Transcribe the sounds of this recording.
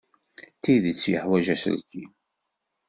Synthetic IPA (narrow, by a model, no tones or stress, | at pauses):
t̪ːiðət͡sːjəħwæʒæsə̰lti